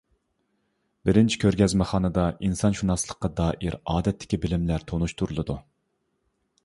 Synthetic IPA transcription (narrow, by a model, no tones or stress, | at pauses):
bɪɾɪnt͡ʃʰi̥kʲʰøɾɡʲɛzmɛχɑːnɨd̪ɑʔinsɑnʃunɑslˠəqːɑd̪ɑːʔiɾɑːd̪ɛt̪ʰːɪ̥kʲibɪlɪmlæɾt̪ʰonuʃt̪ʰuɾulˠɨd̪u